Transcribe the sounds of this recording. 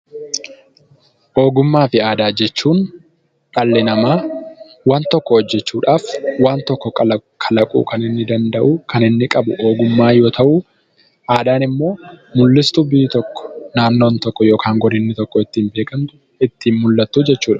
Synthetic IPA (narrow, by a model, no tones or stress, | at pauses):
ʔo̞ːɡʊmːaːfɪaːd̪aːd͡ʒɛt͡ʃːuːn | ᶑɐlːɛnɐmaː | waːnt̪ɔkːɔhɔd͡ʒːɛt͡ʃːuːᶑaːfwaːnt̪ɔkːɔkɐkʰɐlɐkʼṵːkɐnɪnːɪd̪ɐnd̪ɐʔuːkʰɐnɪnːɪkʼɐbʊ̰o̞ːɡʊmːaːjo̞ːt̪ʰɐʔuː | ʔaːd̪aːnɪmːo̞ːmʊlːɪst̪ʊbiːt̪ɔkːɔ̥naːnːoːnt̪ɔkːɔjo̞ːkʰaːŋɡɔd̪ɪnːɪt̪ɔkːɔɪt̪ːiːmbe̞ːkɐnt̪ʊ | ɪt̪ːiːnmʊlːɐt̪ːuːd͡ʒɛt͡ʃːuːᶑɐ̥